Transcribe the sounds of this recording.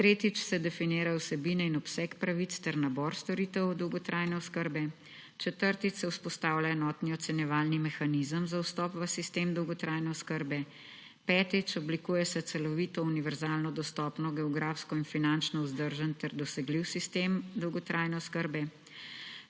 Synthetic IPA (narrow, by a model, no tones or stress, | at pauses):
t̪ɾeːt̪it͡ʃsɛd̪ɛfineːɾawsɛbiːnɛinɔpsɛkpɾaʋit̪st̪ɛɾnabɔɾst̪ɔɾit̪əwd̪ɔwɡɔt̪ɾʔaːjnɛɔskəɾbɛ | t͡ʃɛt̪əɾt̪it̪ːɛwspɔst̪aːwlʲjaɛnɔt̪niɔt̪sɛnjɛʋaːlnimɛxanizəmzawst̪ɔpʋəsist̪eːmd̪ɔwɡɔt̪ɾʔaːjnɛɔskəɾbɛ | pɛːt̪it͡ʃɔblikuːjɛsɛt̪sɛlɔʋiːt̪ɔuniʋɛɾzaːlnɔd̪ɔst̪ɔːpnɔɡɛɔɡɾaːfskɔinfinant͡ʃnɔuzd̪əɾʒənt̪ɛɾd̪ɔsɛɡliwsist̪eːmd̪ɔwɡɔt̪ɾʔajnɛɔskəɾbɛ